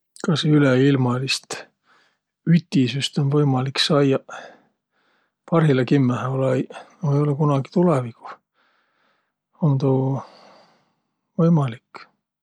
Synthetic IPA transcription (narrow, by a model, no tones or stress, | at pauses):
kɑsyleilmɑlist̪ | yt̪ːisyst̪onvɤjmɑliksɑjjɑ | pɑrhilɑkimːæholejejo̞lekunɑɡ̥i̥t̪uleviku̥ | ont̪uː | vɤjmɑlikː